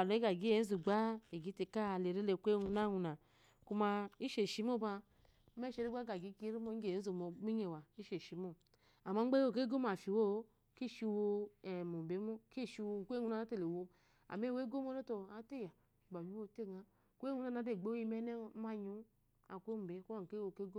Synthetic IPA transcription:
a˨lo˨˦i˦ɡa˨ɡi˦e˨˦n̩˦zu˨ɡ͡ba˦e˨ɡi˨˦te˧ka˦˨le˨ɾe˦le˧˨kʷe˦˨u˧na˦ŋu˧˨na˨ | ku˧ma˧i˦ʃe˨ʃi˦mo˦ba˧˦ | m˦e˦ʃe˧ɾi˦ɡ͡ba˦ɡa˨ɡi˨˦ki˦ɾi˦mo˦˧˦ɡe˨n˦zu˨mo˨˦mi˦ɲe˨wa˨i˦ʃe˨ʃi˨˦mo˦˨ | a˨ma˦ŋ͡m̩˦ɡ͡be˦o˦˨ke˦ɡo˦m˦a˨fi˨wo˦˨˦ | ki˦˨ʃi˧wo˧ɛ˨mo˨m˨be˨˦mo˦ki˦˨ʃi˧wo˧˨kʷe˦u˧na˦˨na˨˦te˦˨le˨wo˧ | a̰˨me˦˨we˦ɡo˦mo˦no˦to˧˨a˨˦te˦˨ja˨ | ba˨ɲu˨˦wo˦˧˨te˦˨ɡa˦ | kʷe˦ŋu˧na˦na˨˦de˦˨ɡ͡bo˦i˧m˦ne˦˨˦ma˧ɲu˨˦ | a˨kʷo˦m̩˨be˨˦ku˦a˨ke˦wo˧ke˦ɡo˦

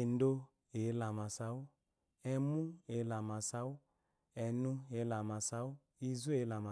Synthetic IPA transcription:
e˨n˦do˦ | e˨˦la˨ma˨sa˨˦u˦ | ɛ˧mu˦e˨˦la˨ma˨sa˦u˦ | ɛ˨nũ˦e˨˦la˨ma˨sa˧˦u˦ | i˧zu˦e˨˦la˨ma˨

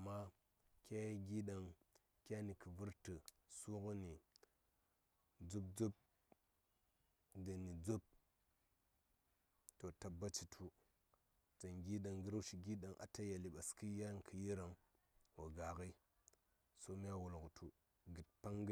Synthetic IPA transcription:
a˨ma˦ | kʲa˦jɡi˦ɗa˨ŋ | kʲa˦ni˨kə˨vu˦ɾtə˨su˦kə˦ni˨ | d͡zu˦b̚d͡zu˦p̚ | də˨ni˨d͡zu˦b̚ | to˨ta˨bːa˦t͡ʃi˨tʰu˦ | d͡za˨nɡi˦ɗa˨ŋɡə˦ɾa˦ʃi˨ɡi˦ɗa˨ŋʔa̰˨ta˦ja˨li˨ɓa˨ski˦ja˦n˨kʰə˨ji˦ɾa˨ŋ | wa˨ɡa˨ɣi˦ | so˦mi˦a˦wu˨lɡə˨tʰu˨ | ɡə˨t̚pa˦ŋɡ

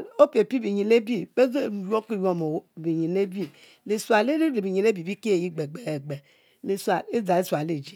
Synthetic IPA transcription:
o˦pi˨e˨pi˦bi˨ɲi˨ne˦bi˦be˦zo˦˨jo˦k͡pi˦˨jo˦˨mo˨˦˨bi˨ɲi˨ne˦bi˦ | le˨swa˨le˦ɾi˦ɾe˨bi˨ɲi˨n˦e˦bi˨bi˦ke˦e˨ji˦ɡ͡be˨ɡ͡be˨e˨ɡ͡be˨ | le˨swa˨e˦d͡za˨e˦sa˨le˨d͡ʒi˦

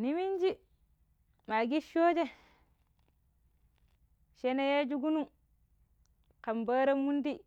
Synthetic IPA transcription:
ni˦mi˦nd͡ʒi˦ | ma˨ɡi˦ʃoː˦d͡ʒe˦ | ʃe˦na˦je˦d͡ʒu˦ɡu˦nu˦ | ka˨mba˦ɾa˦mːu˦ndi˦

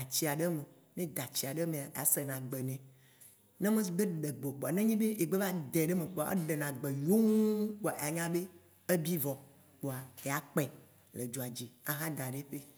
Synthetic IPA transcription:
a˨t͡ɕi˦a˨ɖe˦me˨ | nẽ˦d̪a˨t͡ɕi˦a˨ɖe˦mẽ˨a˨e˨a̰˨se˨nã˨ɡ͡be˨nɛ̃˨ | nẽ˦mẽ˦s̬be˦ɖe˨ɡ͡bo˨k͡po˨a˨nẽ˦ɲĩ˦be˦ʔe˨ɡ͡be˦va˦d̪e˨ɖe˦me˨k͡po˨a̰˨˦ḛ˦ɖe˨nã˨ɡ͡be˨jo˦ŋ˦k͡po˨a˨e˨a˨ɲã˦be˦ | e˦bi˦vɔ˨ | k͡po˨a˨e˨a˨k͡pɛ˨ | le˨d͡ʒo˨a˨d͡ʑi˨a˨ɦã˦d̪a˨ɖe˦ɸe˦

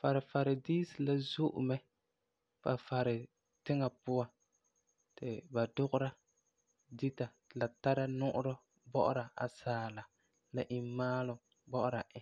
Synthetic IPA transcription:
fa˨ɾɪ˨fa˨ɾɪ˨diː˦si˨la˦zu˦ʔʊ̰˨mɛ˦ | fa˨fa˨ɾɪ˨ | tɪ˦ŋa˨pʊ˦wa˨ | tɪ˨ba˨dʊ˦ɣʊ˦ɾa˦ | di˦ta˨la˨ta˦ɾa˦nʊ˦ʔʊ˦ɾɔ˦ | bɔ˦ʔʊ˦ɾa˨ʔa̰˨saː˨˦la˨ | la˨ʔi˨mmaː˦lʊ˨ | bɔ˦ʔʊ˦ɾa˨ʔɪ˨

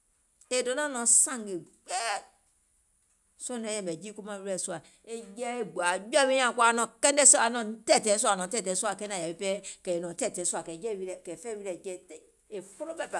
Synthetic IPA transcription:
e˨do˨˦nã˦˨nɔ̃˨˦sã˦˨ŋɡe˨k͡pɛ˦˨ | sõ˦nɛ̃˨˦jɛ˨mɛ˨d͡ʒi˦ku˦mã˦wi˦ɛ˧˨su˧a˨ | e˨d͡ʒɛ˦e˨ɡ͡bu˨a˨d͡ʒɛ˦wĩ˦ã˨kwa˨nɔ̃˧˨kɛ̃˦n˦dɛ˦so˦a˨nɔ̃˨˦tɛ˦˨tɛ̃˨˦sa˨nɔ̃˨˦tɛ˦˨tɛ̃˨˦su˦a˨kɛ˦nã˨ja˨be˨pɛ˦kɛ˨e˨nɔ̃˨tɛ˦˨tɛ̃˨˦su˦a˨kɛ˨d͡ʒɛ˦˨wi˧ɾɛ˨kɛ˨fɛ˦wi˦ɾɛ˨d͡ʒɛ˦˨te˦˨ | e˨fo˦lo˦bɛ˦˨pa˨

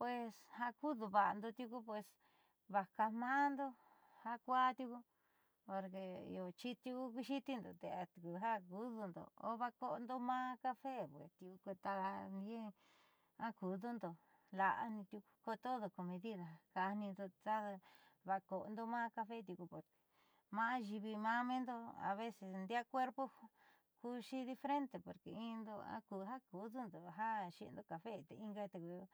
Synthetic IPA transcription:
pwe˧sha˧ku˦ðu˧βa˨ʔa̰˧nd̪o˧t̪ʲju˧ku˦pwe˧s | βa˨ka˧mãː˦nd̪o˦ | ha˧kʷa˦t̪ʲu˧ku˧ | po˧ɾkḛ˧o˧˨t͡ʃi˦t̪u˧ku˦ku˧ʃi˦t̪i˧nd̪o̰˨t̪e˧a˧t̪u˧ku˧ɦa˦ku˦ðu˧nd̪o̰˨o̰˦βa˧ko˦˧nd̪o˦mãː˦ka˦fe˦˨pwḛ˨t̪u˧u˧ku˧t̪a˧a˧ni˦ẽ˦˧ | ã˦ku˨ðu˦nd̪o˨ | la˧ʔa̰˧nĩ˧t̪ju˧ku̥˧ko˧t̪o˦ðo˧ko˧mẽ˧ði˦ða˨ka˧nĩ˧nd̪o˧t̪a˦˧βa˧ko˨ʔo˧nd̪o˧mãː˦ka˧fe˦t̪̬ju˧ku˧po˨ɾke̥˧˨ | mã˦a˦ʒi˧βi˧mã˦mẽ˦nd̪o˧a̰˨βe˦se˧snd̪a˦kʷe˦ɾpo˦˧ | ku˦ʃi˦ði˧fɾe˦nt̪e˨po˨ɾke˨˧ĩ˦˧nd̪o˧ã̰˦ku˨˧ɦa˦ku˨˦ðu˦nd̪o˨ɦa˦ʃi˧ʔḛ˧nd̪o˧ka˨fe˦t̪e˧i˦ŋɡa˧˦˧t̪e˧ku˧

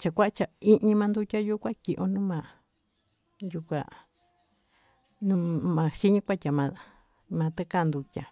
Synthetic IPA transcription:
t͡ʃa˧kʷa˦ʔa˦t͡ʃa˨i˦ʔɲĩ˧mã˧nd̪u˦tʲa˦ju˦kʷã˦ki˨ʔõ˧˦nũ˦mã˧˨ | ju˧kʷa̰˧ | nũ˦mã˧ʃi˦ɲĩ˦kʷa˦tʲa˨mã˧ | mã˧t̪e˦ka˦˨nd̪u˧tʲa˨

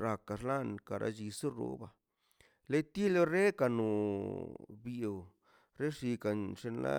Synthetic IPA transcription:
ɾa˨ka˨ʂla˦nka˨ɾa̰˧d͡ʒi˧su˦ɾṵ˧˦ba˧ | le˦t̪i˦lo˦ɾe˦ka˧nu˨ | bi˨w | ɾe˦ʂi˧ka˨nʂe˧nla̰˦

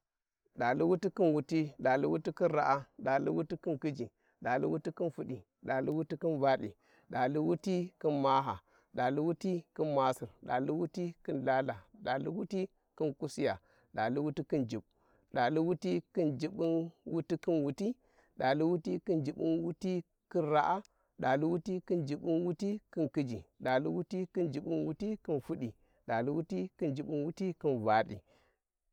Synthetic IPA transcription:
ɗa˨li˦wu˦ti˦ki˦nwu˨ti˦ɗa˨li˦wu˦ti˦ki˦nɾa˨ʔa˦ɗa˨lḭ˦wu˦ti˦ki˦nki˦d͡ʒi˨ | ɗa˨lḭ˦wu˦ti˦ki˦nfu˨ɗi˨ | ɗa˨li˦wu˦ti˦ki˦nva˦ɗḭ˨ | ɗa˨li˦wu˦ti˦ki˦nma˦ɦa˨ | ɗa˨li˦wu˦ti˦ki˦nma˦si˨ɾɗa̰˨li˦wu˦ti˦kɨ˦nla˦la˨ɗa˨lḭ˦wu˦ti˦ | ki˦nku˦si˦ja˨ | ɗa˨li˦wu˦ti˦kɨ˦nd͡ʒi˨ɓ | ɗa˨li˦wu˦ti˦kɨ˦nd͡ʒi˨ɓi˦nwu˦ti˦kɨ˦nwu˨ti˦ | ɗa˨li˦wu˦ti˦kɨ˦nd͡ʒi˨ɓi˦nwu˦ti˦ | ki˦nɾa˦ʔa˦ | ɗa˨li˦wu˦ti˦kɨ˦nd͡ʒi˨ɓi˦nwu˦ti˦kɨ˦nkɨ˦d͡ʒi˨ɗa˨li˦wu˦ti˦kɨ˦nd͡ʒi˨ɓi˦nwu˦ti˦kɨ˦nfu˦ɗi˨ | ɗa˨li˦wu˦ti˦kɨ˦nd͡ʒi˨ɓi˦nwu˦ti˦ki˦nva˨ɗḭ˨

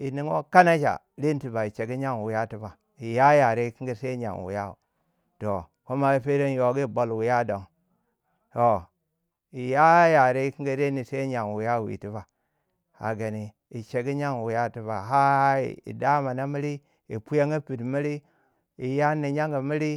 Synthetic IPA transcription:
i˨ni˨ŋo̰˦ka˦na˦d͡ʒa̰˨ | ɾi˦n˦ti˨ba˨i˨t͡ʃe˨ɡi˦ɲa˦ŋ˨wu˨ja˦ti˦ba˨ | i˨ja˦ja˨ɾe˦i˦ki˦ŋɡi˦se˦ɲa̰˨ŋwṵ˨ja˦ṵ˨ | to˨ | ko˦ma˦i˦pe˦ɾe˦n˦jo˨˦ɡi˦˨bo˨lwu˨ja˦do˨ŋ | to˨ | i˨ja˦ja˨ɾe˦i˦ki˦ɡi˦ɾe˦ni˨se˦i˦ɲa˨ŋ˨wu˨ja˦˨wḭ˨ti˦ba˨ | a̰˨ɡa˨ni˨ | i˨t͡ʃe˨ɡi˦ɲa˦ŋ˨wu˨ja˦ti˦ba˨ɦa˦ḭ˨ḭ˨da˦ma˨na˦mi˦ɾi˦ | i˨pu˦ja˦ŋi˦pi˨dmi˦ɾi˦ | i˨ja˦ni˨ɲa˦ŋɡa˨mi˦ɾi˦

